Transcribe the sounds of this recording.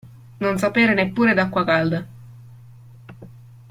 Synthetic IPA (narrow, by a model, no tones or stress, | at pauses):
nonsapeːɾenepːuːɾed̪akːwakald̪a